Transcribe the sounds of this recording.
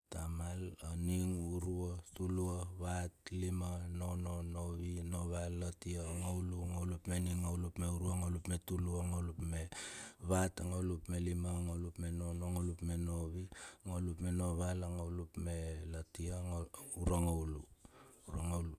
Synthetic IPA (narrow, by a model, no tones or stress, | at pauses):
tamalaniŋuɾuatuluaβatlimanononoβinoβalːatiaŋawluŋawlupmeniŋawlupme̞uɾuaŋawlupme̞tuluaŋawlupme̞βataŋawlupme̞limaŋawlupme̞nonoŋolupme̞no̞βiŋawlupme̞no̞βalaŋawlupme̞latiaŋuɾaŋawluuɾaŋawlu